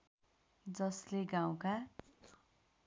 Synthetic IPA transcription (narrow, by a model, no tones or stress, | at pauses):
d͡zʌsleɡãw̃ka